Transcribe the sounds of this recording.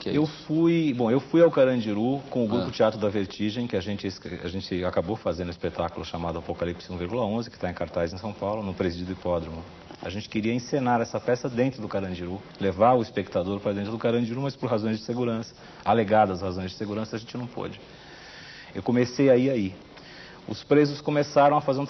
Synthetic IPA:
kewfujbõw̃ewfujawkaɾɐ̃d͡ʒiɾukõʊɡɾupʊt͡ʃiat̪ɾʊd̪ɐveɾt͡ʃiʒẽj̃kɪaʒẽnt͡ʃɪsa̰ʒẽnt͡ʃɪakabofazẽnd̪ʊispet̪akʊlʊʃamad̪ʊapokalipsɪzũviɾɡulɐõzɪkɪ̥t̪aẽkaɾt̪ajzẽsɐ̃w̃pawlʊnʊ̃pɾezd͡ʒid̪ʊipɔd̪ɾumʊ | a̰ʒẽnt͡ʃɪ̥kɪɾiɐẽsenaɾɛsɐpɛsɐd̪ẽnt̪ɾʊd̪ʊkaɾɐ̃d͡ʒiɾu | levaɾʊispekt̪ad̪oɾpɾɐdẽt̪ɾʊd̪ʊkaɾɐ̃d͡ʒiɾumɐspoɾɦazõj̃zd͡ʒɪseɡuɾɐ̃sɐ̥ | aleɡad̪ɐshazõj̃zd͡ʒɪseɡuɾɐ̃sɐʒẽnt͡ʃɪnɐ̃w̃po̰d͡ʒɪ | ḛwkõmesejaiai | ʊspɾezʊskõmesaɾɐ̃w̃ɐfazeɾũ

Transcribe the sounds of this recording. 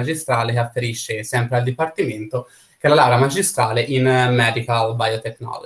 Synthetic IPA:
ad͡ʒist̪ɾaːlekeafːeɾiʃːesɛmpɾeald̪ipart̪iment̪o | kelalawɾamad͡ʒist̪ɾaːleʔinmːɛːd̪ikalbajot̪eknɔ̰lo̰

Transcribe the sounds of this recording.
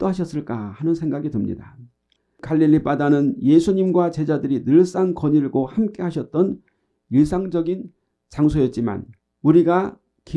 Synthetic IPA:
t͈oɦaɕ̬ʰʌs͈ɯɭk͈ahanɯnsʰeŋɡaɡidɯmɲḭda | kaʎːiʎːip͈adanɯnjesʰuɲimɡwat͡ɕe̞d͡ʑadɯɾinɯɭs͈aŋkʌɲiɭɡohamk͈eɦaɕʰʌt̚t͈ʌn | jis̬ʰaŋd͡ʑʌɡin | t͡ɕaŋsʰojʌt̚t͡ɕ͈ima̰n | uɾiɡa | ki

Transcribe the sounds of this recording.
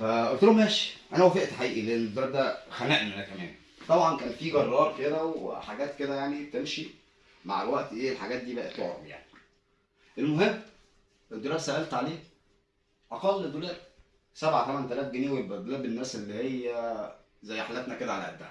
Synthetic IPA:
fæʔot̪oɾomæːʃi̥ʔænæwæfeʔt̪ħaʔiːʔileʔenːed̪ːolɑɾd̪æxænæʔmmenʔækæmæ̰ːn | t̪ˤɑbʕɑnkæːnfiːɡɑrˤːɑːɾˤked̪æwḛħaɡæːt̪ked̪æjaʕnib̚t̪emʃi | ma̰ʕlwæʔt̪iʔeːlħaɡæːt̪̚d̪iːbæʔet̪loʕ̰ɾbja̰ʕni̥ | ʔelmoɦemː | ʔed̪ːolæːɾsæɣælt̪ʕaleː | ʔɑqɑlːed̪olæːɾ | sæbʕat̪æmænt̪ælæːfɡeneːwebd̪olæːbenːæːselːihejːæ | zæjːħalʔæt̪næked̪æʕalæʔæ̰d̪ːæ

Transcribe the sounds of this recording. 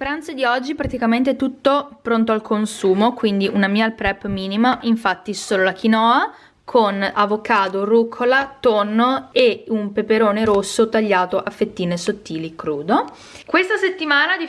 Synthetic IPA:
pɾant̪sed̪iɔd͡ʒːipɾat̪ikament̪̬et̪ut̪ːopɾont̪̬oalkʰonsuːmokwind̪iʔunamialpɾɛpːmiːnimaʔiɱfat̪ːisoːlolakinɔːa | kʰonavokaːd̪orukʰolat̪onːoeumpepeɾoːneɾosːot̪aʎːaːt̪oʔafːet̪ːiːnesot̪ːiːlikɾuːd̪o | kwest̪aset̪ːimaːnad̪i

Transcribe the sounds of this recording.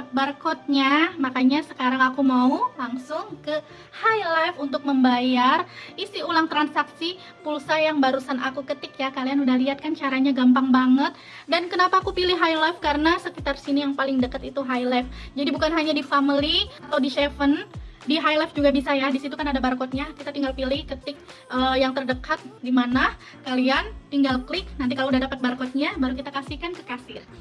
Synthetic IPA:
barkɔt̪̚ɲamakaɲasəkaɾaŋakumaulaŋsʊŋkə | hajlafunt̪ʊk̚məmbajarisiulaŋt̪ɾansaksi | pulsajaŋbaɾusanʔakukət̪ɪkjakalianudahliɦat̪̚kant͡ʃaɾaɲaɡampaŋbaŋət̪̚ | dankənapaːkupilɪɦajlafkaɾənasəkit̪arsinijaŋpalɪŋdəkət̪it̪uɦajlɛfd͡ʒadibukanɦaɲadifamiliat̪awdiʃɛfən | diɦajlɛfd͡ʒuɡabisajadisit̪ukanadabarkɔt̪̚ɲakit̪at̪iŋɡalpilɪhkət̪ɪk̚ʔəjaŋt̪ərdəkat̪̚dimana | kaliant̪iŋɡalklɪk̚nant̪̬ikalaudahdapət̪̚barkɔt̪̚ɲabaɾukit̪akasihkankəkasɪr

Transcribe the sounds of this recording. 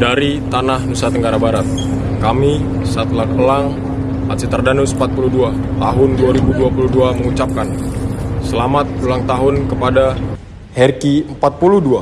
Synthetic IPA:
daɾit̪anahnusat̪əŋɡaɾabaɾat̪̚ | kami | sat̪lakəlaŋ | pat̪sit̪ərdanusəm̩pat̪̚puludua | t̪aɦʊnduaɾibuduapuluduaməŋut͡ʃap̚kan | səlamat̪̚ulaŋt̪aɦʊnkəpada | hɛrkiəmpat̪̚puludua

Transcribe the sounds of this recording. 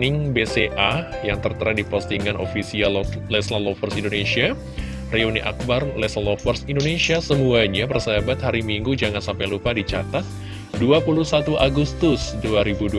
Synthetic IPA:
nɪŋbeseʔa | jaŋt̪ərt̪əɾadipɔst̪iŋanʔo̰fisiallɛslalɔfərsindonesia | reonḭʔa̰k̚barlɛsalofərsindonesiasəmuaɲapərsəabat̪haɾimiŋɡud͡ʒaŋansampajlupadit͡ʃa̰t̪at̪̚ | duapulusat̪uʔaɡust̪ʊsduaɾibudu

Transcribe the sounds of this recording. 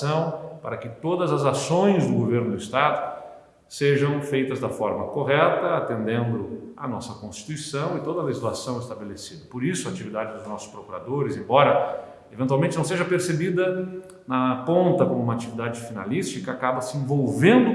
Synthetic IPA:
ɐ̃w̃paɾɐkɪt̪od̪ɐzɐzasõj̃zd̪ʊɡoveɾnʊd̪ʊist̪ad̪ʊ | seʒɐ̃w̃fejt̪ɐzd̪ɐfɔɾmɐkoɦɛt̪ɐat̪ẽnd̪ẽnd̪ʊɐ̰nɔsɐkõst͡ʃi̥t̪uisɐ̃w̃ɪt̪od̪ɐleʒizlasɐ̃w̃est̪abelesid̪ɐpoɾisʊaat͡ʃivid̪ad͡ʒɪd̪ʊznɔsʊ̥spɾokuɾa̰d̪oɾɪzẽbɔɾɐ | evẽt̪uawmẽnt͡ʃɪñseʒɐpeɾsebid̪ɐ | nɐpõnt̪ɐkõmũmɐat͡ʃivid̪ad͡ʒɪfina̰list͡ʃikɐakabɐsɪẽvowvẽnd̪ʊ

